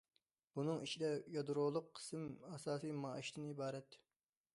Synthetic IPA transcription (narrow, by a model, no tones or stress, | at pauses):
b̥unɨŋiʃid̪ɛjɑd̪ɾolˠʊqʰːə̥sɨmɑsɑːsijmɑʔiʃd̪ɪnibɑːɾɛt̪